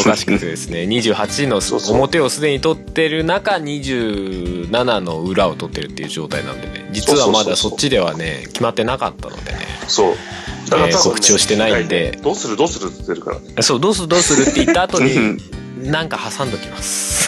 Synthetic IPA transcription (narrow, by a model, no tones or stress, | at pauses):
okaɕi̥kɯt̪ed̪e̞sɨne̞ɲ̟iʑɨːhat͡ɕino̞somo̞t̪e̞o̞sɨd̪e̞ɲ̟it̪o̞t̪ːe̞ɾɯ̟nakaɲ̟iʑɨːnanano̞ɯ̟ɾao̞t̪o̞t̪ːe̞ɾɯ̟t̪ːe̞iɯ̟ʑo̞ːt̪ainã̰nod̪ed̪e̞̰d͡ʑit͡sɨβamad̪aso̞t͡ɕːid̪e̞β̞a̰ne̞̰kʲimat̪ːe̞nakat̪ːa̰no̞̰d̪e̞̰ne̞̰so | kokɯ̟t͡ɕio̞ɕi̥t̪e̞naind̪e̞d̪oːsɨɾɯd̪oːsɨɾɯt̪t̪ːeɾɯ̟ka̰ɾa̰ | so̞ːd̪o̞ːsɨɯd̪o̞ːsɨɾɯ̟t̪ːeit̪ːaːt̪o̞ɲ̟i | nãŋkahasãnd̪okʲimasɨ̥